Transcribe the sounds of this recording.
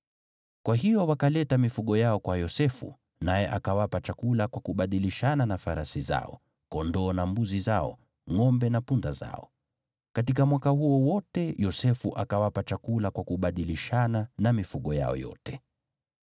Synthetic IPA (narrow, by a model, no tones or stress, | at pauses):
kwaɦijɔwakalɛtamifuɠɔjaɔkwajɔsɛfṵ | najɛʔakawapat͡ʃakulakwakuɓaɗiliʃananafaɾasiza̰ɔ̰ | kɔndɔːnambuzizaɔ̰ | ŋɔmbɛnapundaza̰ɔ̰ | kat̬ikamwakahuɔwɔtɛjɔsɛfuʔakawapat͡ʃakulakwakuɓaɗiliʃananamifuɠɔja̰ɔ̰jɔ̰tɛ̥